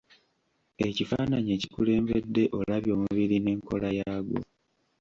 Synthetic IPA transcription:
e̞cifaːnaɲie̞ci̥kule̞ːmbe̞dːe̞ʔo̞laβjo̞ːmuβiɾine̞ːŋko̞lajaːɡo̰

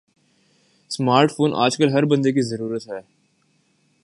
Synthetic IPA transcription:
smaːɾʈfʰoːnʔa̰ːd͡ʒkəlɦɐɾbɐ̃nd̪ek̬izɐɾuːɾət̪ɦɛː

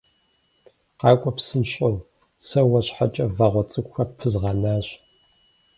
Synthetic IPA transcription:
qɑːkʷʼɔpsɨnʃʼɐw | sɐwɐɕħat͡ʃʼɐvaʁʷɔt͡sʼɨkʷxɐpʰɨzʁɑnaːɕ

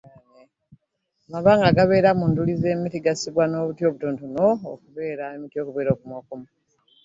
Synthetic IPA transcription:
ne | amaβaːŋɡaɡaβe̞ːɾamundulize̞ːmitiɡasiβwano̞ːβutjo̞ːβutontuno̰ːkuβe̞ːɾaemitjo̞ːkuβe̞ːɾoːkumokomu

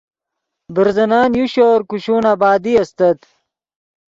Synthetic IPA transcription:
biɾzɐnaːnjuɕoːɾkuɕuːnabaːd̪iɐst̪ɐt̪

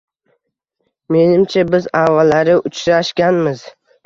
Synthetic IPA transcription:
me̞nɪmt͡ʃʰabɪzavalːaɾɪʔʊt͡ʃʰɾaʃɡʲanmɪz̥

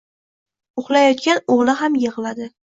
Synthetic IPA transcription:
ʊχlˠajɒt̪̚kʲanoʁlˠɪɦamjɨʁlˠad̪ɪ

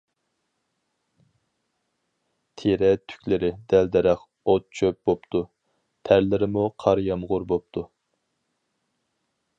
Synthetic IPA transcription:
t̪ʰeɾɛt̪ʰy̥kʲlɪɾɪd̪ɛld̪ɛɾɛχ | ot̪̚t͡ʃʰøp̚bopt̪ʰu | pʰæɾlɪɾɪmuqʰɑɾjɑmʁʊɾbop̚t̪ʰu

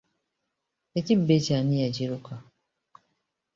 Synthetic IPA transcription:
ecibːecaːnijaɟiɾuka

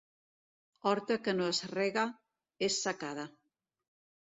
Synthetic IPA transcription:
ɔɾt̪akənoazreɣa | esːakaða

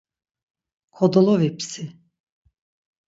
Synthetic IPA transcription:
kʰɔd̪olˠɔvipsi

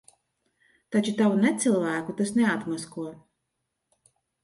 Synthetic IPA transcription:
t̪at͡ʃut̪avunɛt̪silˠvæːkut̪asnɛat̪maskuɔ

